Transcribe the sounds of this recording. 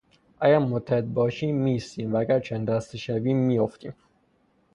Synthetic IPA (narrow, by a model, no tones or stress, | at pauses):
ʔæɡæɾmot̪ʰːæed̪̚bɒːʃiːmːist̪iːmvææɡæɾt͡ʃʰænd̪æst̪eʃæviːmːijoft̪ḭːm